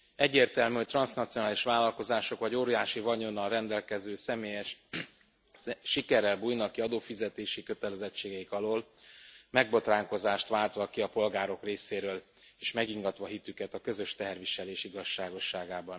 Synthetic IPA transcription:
ɛɟːeːrt̪ɛlmyːho̞c̚t̪rɒnsnɒt̪sionaːliʃʋaːlːɒlko̞zaːʃo̞kʋɒɟoːɾijaːʃivɒɲo̞nːɒlrɛnd̪ɛlkɛzøːsɛmeːjɛʃ | ʃikɛɾɛlbuːjnɒkiɒd̪oːfizɛt̪eːʃikø̞t̪ɛlɛzɛt͡ʃːeːɡɛikɒloːlmɛɡ̚bo̞t̪raːŋko̞zaːʃt̪ʋaːlt̪ʋɒkiɒpo̞lɡaːɾo̞kreːseːɾøːl | eːʃmɛɡiŋɡɒt̪ʋɒɦit̪ykɛt̪ɒkøzø̞ʃt̪ɛɦɛrʋiʃɛleːʃiɡɒʃːaːɡo̞ʃːaːɡaːbɒn

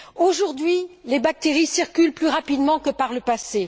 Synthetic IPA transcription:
oʒuʁd̪ɥilebak̚t̪eʁisiʁkʲylplyʁapid̪mɑ̃kəpaʁləpase

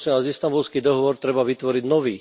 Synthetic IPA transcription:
sɛnazist̪ambulskiːd̪ɔɦɔʋɔɾt̪ɾɛbaʋit̪ʋɔɾiɟnɔʋiː

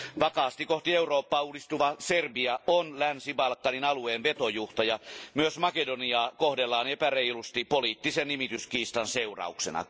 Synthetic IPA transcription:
ʋɑkɑːst̪ikoht̪ieuroːpːɑːuːdist̪uʋɑserbiɑonlænsibɑlkːɑninɑlueːnʋet̪ojuht̪ɑjɑmyøsmɑkedoniɑːkohdelːɑːnepæreilust̪ipoliːt̪ːisennimit̪yskiːst̪ɑnseurɑ̰uksḛnɑ̰

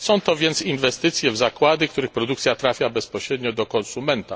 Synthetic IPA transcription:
sɔ̃w̃t̪ɔvʲjɛnt̪sinvɛst̪ɘt̪sʲjɛvzakwad̪ɘkt̪uɾɘxpɾɔd̪uk̚t̪sʲjat̪ɾafʲjabɛspɔɕɾɛd̪ɲɔd̪ɔkɔnsumɛnt̪a

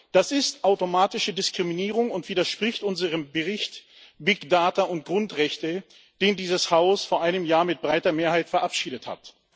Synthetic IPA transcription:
d̥asɪstʔaʊtomaːtɪʃədɪskʁ̥iminiːʁʊŋʊntv̥iːdɐʃpʁ̥ɪçtʔʊnzəʁəmbəʁɪçt | bɪkd̥aːtɐʊntɡ̥ʁʊntʁɛçtə | d̥eːndiːzəshaʊsfoːɐʔaɪnəmjaːɐmɪt̚b̥ʁaɪtɐmeːɐhaɪtfɛɐʔapʃiːdətha̰t

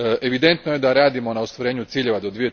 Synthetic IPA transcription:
ʔe̞ʋid̪e̞nt̪noje̞d̪aɾaːd̪imo̞naost̪ʋoɾeːɲut̪siːʎe̞ʋad̪od̪ʋije̞

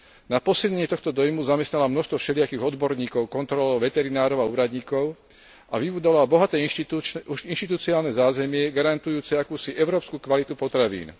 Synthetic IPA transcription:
napɔsilɲɛɲɪɛt̪ɔxt̪ɔd̪ɔjmuzamɛst̪nalamnɔʃst̪ʋɔfʃɛlɪakiːɣɔd̪bɔɾɲiːkɔʊkɔnt̪ɾɔlɔʊʋɛt̪ɛɾinaːɾɔʊauːɾad̪ɲiːkɔʊ | ʔaʋibuːd̪ɔlalbɔɦat̪ɛuʃinʃt̪it̪ut͡siaːlnɛzaːzɛmɪɛɡaɾant̪ujuːt͡sɛakuːsiʔɛʊɾɔːpskukʋalit̪upɔt̪ɾaʋḭːn

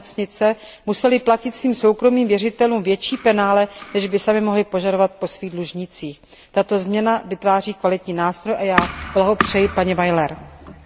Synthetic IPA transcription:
t͡sɲɪt͡sɛ | musɛlɪplacɪt̪sviːmso̞wkɾo̞miːmvjɛrɪt̪ɛluːmvjɛt͡ʃiːpɛnaːlɛnɛʒbɪsamɪmo̞ɦlɪpo̞ʒado̞vat̪̚po̞sviːɣdluʒɲɪt͡siːx | t̪at̪o̞zmɲɛnavɪt̪vaːriːkvalɪt̪ɲiːnaːst̪ɾo̞jʔajaːb̥laɦopr̥ɛjɪpaɲɛvajlɛɾ

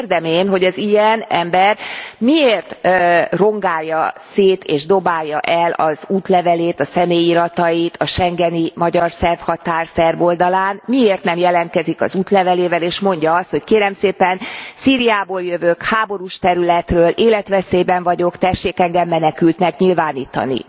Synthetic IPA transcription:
rd̪ɛmeːnɦo̞ɟɒzijɛnɛmbɛrmieːrt̪ːro̞ŋɡaːjːɒseːt̪eːʒd̪o̞baːjːɒ̰ʔɛlɒ̰zuːt̪lɛvɛleːt̪ɒsɛmeːjiɾɒt̪ɒjit̪ʰɒʃɛŋɡɛnimɒɟɒrsɛrfhɒt̪aːrsɛrbo̞ld̪ɒlaːnmieːrt̪nɛmjɛlɛnt̪̚kɛzikɒ̰zuːt̪lɛvɛleːvɛleːʃmo̞ɲɟɒɒst̪ho̞ckeːɾɛmseːpɛnsiːɾijaːboːljøvøːkhaːbo̞ɾuʃt̪ɛɾylɛt̪røːlʔeːlɛt̪ʋɛseːbɛɱvɒɟo̞kt̪ɛʃːeːkɛŋɡɛmːɛnɛkylt̪nɛkɲilvaːniːt̪ɒ̰nḭ

